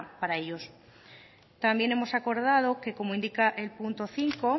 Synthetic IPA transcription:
paɾaeʎo̞s | t̪ambje̞ne̞mo̞sako̞ɾð̞að̞o̞ke̞ko̞moind̪ikaʔelpunt̪o̞θiŋko̞

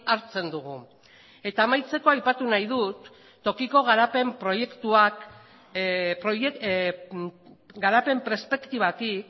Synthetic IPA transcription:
aɾt͡se̞nd̪uɣu | e̞t̪aːmajt͡se̞ko̞ajpat̪unajðut̪ː | o̞kiko̞ɣ̞aɾape̞mpɾo̞je̞kt̪uak | pɾoje | ɡaɾape̞mpɾespe̞kt̪iβat̪ik

